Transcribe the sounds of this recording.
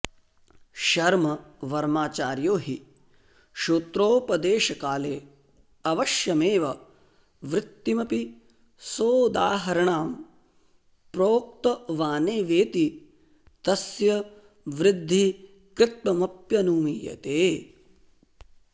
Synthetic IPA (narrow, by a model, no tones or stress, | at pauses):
ʃɐɾmɐʋɐɾmaːt͡ʃaːɾjoːɦi | ʃuːt̪ɾoːpɐd̪eːʃɐkaːleː | ɐʋɐʃjɐmeːʋɐ | ʋɾɪt̪ːimɐpi | soːd̪aːɦɐɾɐɳaːm | pɾoːk̚t̪ɐʋaːneːʋeːt̪i | t̪ɐsjɐ | ʋɾɪd̪ʱːi | kɾɪt̪̚mɐmɐpjɐnuːmiːjɐ̰t̪eː